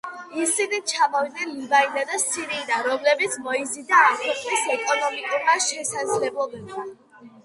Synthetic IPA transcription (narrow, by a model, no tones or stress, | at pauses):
isinit͡ʃʰamɔvid̪̚nɛnlibainad̪asiɾinaɾɔmlɛbit̪sʰmɔizid̪aːmkʰɛqʼnisɛkʼɔnɔmikʼuɾmaʃɛsad̪zlɛbɔlɛba